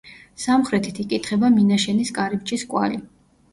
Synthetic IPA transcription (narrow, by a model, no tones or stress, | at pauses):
samχɾɛt̪ʰit̪ʰikʼit̪ʰχɛbaminaʃɛniskʼaɾipt͡ʃʼiskʼwa̰li